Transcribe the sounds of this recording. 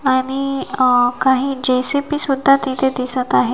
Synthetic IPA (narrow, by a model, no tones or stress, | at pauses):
aɽ̃i | kaɦiːd͡ʑesepiːsud̪ʱːat̪ĩt̪ed̪isət̪aɦe